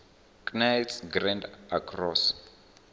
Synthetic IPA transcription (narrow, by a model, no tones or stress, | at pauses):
kʼnalsɡrãndakʰrɔs